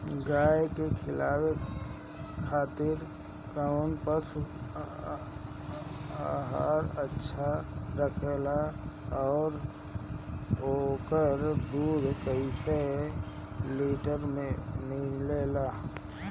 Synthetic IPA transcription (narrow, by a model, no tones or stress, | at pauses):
ɡaːjkekʰɪlaːwe | kʰaːt̪ɪɾ | kaʊnpəɾs | aɦaːɾətːʃʰaɾəkʰela | ɔːɾ | okəɾd̪uːd̪ʱkəɪse | liːʈəɾmẽnileːla